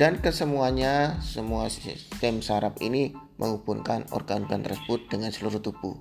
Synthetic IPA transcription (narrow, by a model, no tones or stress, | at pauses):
d̥ankəsəmuaɲasəmuast̪ɛmsaɾapḭni | mʔə̰ŋupunkanɔ̰rɡanɡant̪ərsəbʊt̪̚dəŋansəluɾuht̪ub̥ṵ